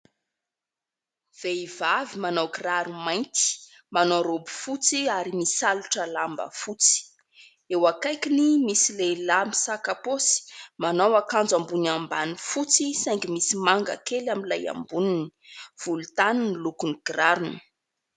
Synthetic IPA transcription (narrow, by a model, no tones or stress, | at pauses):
v̥eiv̥avimanawɡraɾumajnt̪i̥ | manaɾobu̥fut͡siaɾimisaluʈ͡ʂəlambə̰fut͡si̥ | ewakajkinimisilelamisakaposi̥manawakand͡zambunambanifut͡sisajŋɡimisimaŋɡa̰kelaminlaja̰mbunini̥v̥ulut̪anunilukuniɡ̥raɾuni̥